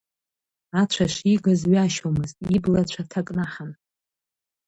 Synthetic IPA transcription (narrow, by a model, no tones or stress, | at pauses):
at͡ʃʷʰaʃiɡazɥaʃomɨztʼiblat͡ɕʷʰatʰakʼnaħan